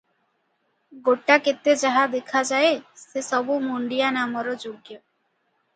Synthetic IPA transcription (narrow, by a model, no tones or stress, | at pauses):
ɡoʈaket̪ed͡ʒaɦad̪ekʰad͡ʒaesesɔbumuɳɖijanamɔɾɔd͡ʒoɡjɔ